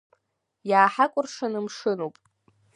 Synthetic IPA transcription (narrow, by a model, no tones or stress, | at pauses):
jaːħakʷʼʊrʂanɨmʂɨnowpʼ